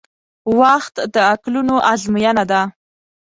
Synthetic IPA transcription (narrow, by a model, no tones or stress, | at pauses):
waxt̪d̪əaklunoʔazmujanad̪a